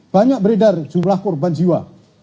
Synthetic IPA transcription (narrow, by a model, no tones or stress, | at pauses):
b̥aɲak̚bəɾedard͡ʒumlahkʊrband͡ʒiwa